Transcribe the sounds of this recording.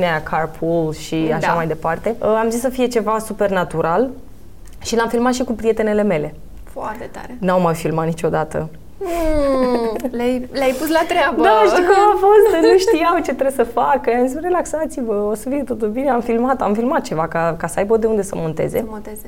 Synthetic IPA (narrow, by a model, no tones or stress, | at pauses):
neakʰarpʰulʃiaʃamajd̪e̞part̪e̞amzisːəfije̞t͡ʃe̞vasupe̞rnat̪uɾʔal | ʃilamfilmat̪ʃikupɾije̞t̪e̞ne̞le̞me̞le̞ | foart̪et̪a̰ɾenawmajfilmat̪nit͡ʃo̞d̪at̪ə̰ | lajlʲajpuslat̪ɾeabəd̪aʃikumafo̞st̪nuʃt̪ijawt͡ʃe̞t̪ɾebsəfakjjamzisre̞laksat̪sivəosəfiet̪o̞t̪ulbine̞amfilmat̪a̰mfilmat̪̚t͡ʃe̞vakakasəajbod̪eund̪e̞sə̰mo̞nt̪e̞̰zḛot̪eze